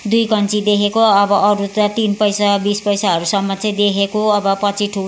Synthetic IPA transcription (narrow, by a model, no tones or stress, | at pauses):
d̪ujkʌnt͡sid̪ekʰekoʌbʌʔʌɾut̪at̪inpʌjsabispʌjsaɦʌɾusʌmːʌt͡sʌĩd̪ekʰekoʌbʌpʌt͡sʰiʈʰu